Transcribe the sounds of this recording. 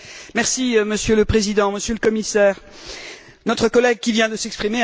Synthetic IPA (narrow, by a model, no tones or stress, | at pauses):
mɛʁsiməsjøləpχezid̪ɑ̃məsjøləkɔmisɛːʁ | nɔt̪χəkɔlɛɡ̚kʲivjɛ̃d̪əsɛkspχime